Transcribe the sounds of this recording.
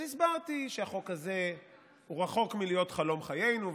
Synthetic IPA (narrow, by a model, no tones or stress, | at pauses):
isbaʁt̪iʃeaχo̞kaze̞ | uʁaχo̞kmilijo̞t̪χalo̞mχaje̞jnu